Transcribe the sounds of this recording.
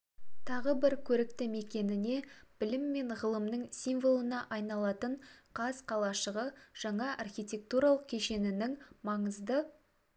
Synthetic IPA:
t̪ʰɑʁəbɪɾkʲʰɵɾɪk̚t̪ɪme̞kʲe̞nɪne̞b̥ɪlɪmːe̞ɴʁəlˠəmnəɴsijmvolˠənɑʔɑjnɑlˠɑt̪əɴqʰɑzqʰɑlˠɑʃəʁəʒ̥ɑɴɑʔɑrχʲijtʲe̞k̚t̪uɾɑlˠəq̚kʲʰe̞ʃe̞nɪnɪŋmɑɴəzd̪ə

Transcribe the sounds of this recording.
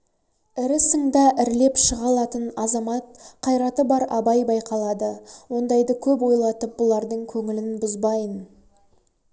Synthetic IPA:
ɪɾɪsəŋd̪ɑʔɪɾle̞pʃəʁɑlˠɑt̪ənɑzɑmɑt̪̚qʰɑjɾɑt̪əbɑɾɑbɑjbɑjqɑlˠɑd̪əwo̞nd̪ɑjd̪əkʲʰɵpwo̞jlˠɑt̪əp̚b̥ʊlˠɑɾd̪əɴkʲʰɵŋɪlɪnbʊzbɑjən

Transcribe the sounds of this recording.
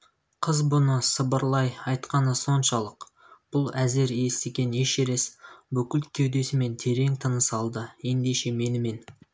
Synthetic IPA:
qʰəzbʊnəsəbəɾlˠɑjɑjt̪qɑnəso̞nʃɑlˠəq | b̥ʊlˠæze̞ɾe̞st̪eɡʲe̞ne̞ʃe̞ɾe̞sbɵkʲɪlt̪kʲʰewd̪e̞sɪme̞nt̪ʰe̞ɾe̞ŋt̪ʰənəsɑlˠd̪əje̞nd̪e̞ʃe̞me̞nɪme̞n

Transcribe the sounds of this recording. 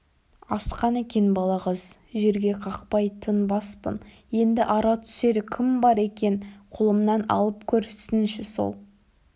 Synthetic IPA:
ɑsqɑnekʲe̞nbɑlˠɑʁəzʒe̞ɾɡʲe̞qʰɑqpɑjt̪ʰənbɑspə̰n | je̞nd̪ɪʔɑɾɑt̪ʰʏ̥se̞ɾɪkʲʰɪmbɑɾe̞kʲe̞nqʰolˠəmnɑnɑ̰lˠəp̚kʲʰɵɾsɪnʃɪso̞̰lˠ

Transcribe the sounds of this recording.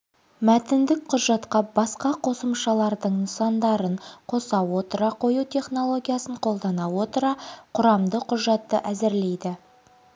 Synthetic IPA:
mæt̪ɪnd̪ɪk̚qʰʊʒɑt̪qɑbɑsqɑqʰo̞səmʃɑlˠɑɾd̪əɴnəsɑnd̪ɑɾəɴqʰo̞sɑwwo̞t̪əɾɑqʰo̞jut̪ʲʰe̞χno̞lˠo̞ɡʲijasəɴqʰo̞lˠd̪ɑnɑwo̞t̪əɾɑqʰʊɾɑmd̪əqʰʊʒɑt̪ːəʔæzɪɾle̞jd̪ɪ

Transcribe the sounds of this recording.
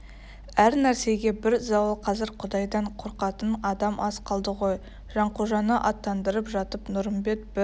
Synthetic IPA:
æɾnæɾse̞ɡʲe̞bɪɾzɑwəlˠqʰɑzɪɾqʰʊd̪ɑjd̪ɑɴqʰo̞ɾqɑt̪ənɑd̪ɑmʔɑsqɑlˠd̪əʁo̞j | ʒ̥ɑɴquʒɑnəʔɑt̪ːɑnd̪əɾəpʒɑt̪əpnʊɾəmbe̞t̪̚bɪ

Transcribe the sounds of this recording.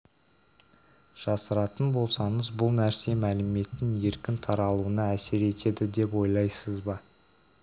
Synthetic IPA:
ʒ̥ɑsəɾɑt̪ənbo̞lˠsɑɴəzbʊlˠnæɾse̞mælɪme̞t̪ɪnje̞ɾkʲɪnt̪ʰɑɾɑlˠuənəæse̞ɾe̞t̪ʰe̞d̪ɪd̪e̞pwo̞jlˠɑjsəzbɑ

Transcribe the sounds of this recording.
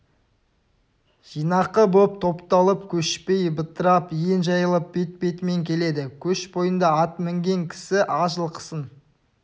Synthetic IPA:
ʒ̥ijnɑqːəbop̚t̪ʰo̞pt̪ɑlˠəpkʲʰɵʃpe̞jbət̪əɾɑpjenʒɑjəlˠəp̚bet̪̚pe̞t̪me̞ŋkʲʰe̞le̞d̪ɪkʲʰɵʃbo̞jənd̪ɑɑt̪mɪŋɡʲe̞ŋkʲʰɪ̥sɪʔɑʒəlˠqʰə̥sən

